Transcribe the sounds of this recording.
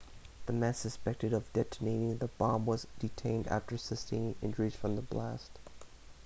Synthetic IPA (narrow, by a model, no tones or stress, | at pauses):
ðɨmæ̃nsɨspɛk̚tɨɾʌvdɛtʰɨneɪɾɪ̃ŋðəb̥ɑbwʌzdɨtʰẽɪ̃ndæ̰ftə˞sɪstɪ̃ŋɪ̰̃nd͡ʒə˞iz̥fɹʌ̃mðəblæ̰st